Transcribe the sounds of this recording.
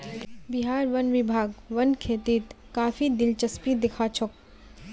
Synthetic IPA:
bɪɦaːɾʋɐnʋɪbʱaːɡʋɐnkʰeːt̪iːt̪ | kaːfʰid̪ɪlt͡ʃɐspid̪ɪkʰaːt͡ʃʰok

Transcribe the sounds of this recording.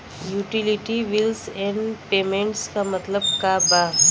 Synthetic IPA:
juːʈilɪʈiʋɪlsɛ̃ɳɖpeːmẽɳʈskamɐt̪ləbkabaː

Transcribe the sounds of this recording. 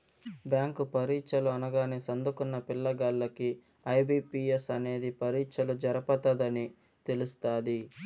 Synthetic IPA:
bjaːŋkupɐɾiːt͡ʃɐluɐnɐɡaːnesɐnd̪ukunːɐpilːɐɡalːɐki | ɐjbiːpiesɐne̞ːd̪ipʰɐɾiːt͡ʃɐlud͡ʒɐɾɐpɐt̪ɐd̪ɐni | t̪e̞lust̪aːd̪i

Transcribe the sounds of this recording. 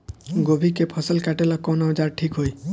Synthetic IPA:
ɡobʱikepʰɔsəlkaʈelakɔnɔd͡ʒaɾʈʰikɦoj

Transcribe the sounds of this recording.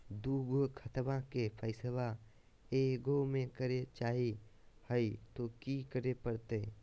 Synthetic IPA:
d̪uːɡəkʰət̪mãkepʰəɪsəʋa | eɡomẽkəɾet͡ʃaːɦi | həit̪okikəɾepəɾt̪e

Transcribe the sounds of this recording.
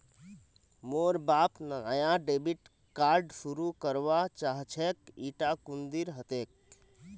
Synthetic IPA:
moːɾbaːpnəajãɖeːbiʈ | kaːɾɖsuɾukəɾʋat͡ʃaɦt͡ʃʰekiːʈakund̪iɾɦət̪ek̚

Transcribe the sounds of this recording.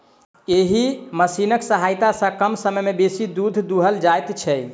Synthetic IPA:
eɦiməsinəksəɦajt̪asə̃kəmsəməjmebesid̪ud̪ʱd̪uɦəld͡ʒajt̪t͡ʃʰɛ

